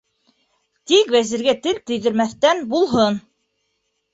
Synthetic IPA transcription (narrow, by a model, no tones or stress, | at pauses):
t̪ikvæzɘ̆ɾɡæt̪ɘlt̪ɘ̆jðɘ̆ɾmæθt̪ænbulˠɦɤn